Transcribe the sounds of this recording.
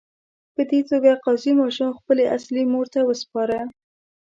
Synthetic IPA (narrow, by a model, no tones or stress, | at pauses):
pəd̪et̪oɡaqɑzimɑʃumxpəleʔaslimoɾt̪awəspɑɾə